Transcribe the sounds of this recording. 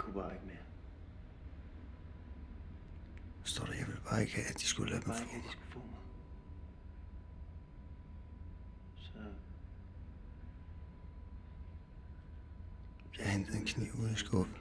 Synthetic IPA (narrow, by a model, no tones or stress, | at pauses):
kʰub̥ɑ̈ːeɡ̥meɐ | sd̥ɔ̰ːɾ̥ɑjɑ̈ɪʋe̝lb̥ɑ̈ːe̝ɡ̥hɛ̰ːæ̥d̥isɡ̥ulɛʊ̥ɡ̥d̥isɡ̥ufɔ̰ːma | sɒ | jɑend̥ð̩enkʰnḭːʊ̰unˠsɡ̥ɔ̰l̥